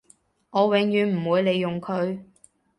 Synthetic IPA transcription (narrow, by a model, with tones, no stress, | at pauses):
ŋɔː˨˧wɪ˨˥ŋjyː˨nm̩˨˩wuː˨˧jle˨˧jːʊ˨ŋkʰɵ˨˧ɥ